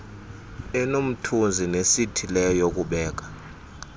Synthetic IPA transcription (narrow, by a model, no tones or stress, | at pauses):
ɛnom̩tʰund͡zʱinesitʰilɛjok̬ʼuɓɛːk̬ḁ